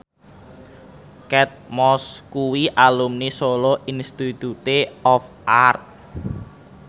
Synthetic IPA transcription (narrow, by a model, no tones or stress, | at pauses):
kɛt̪̚mɔskuwiʔalumnisolɔʔinst̪it̪ut̪eɔf | art̪̚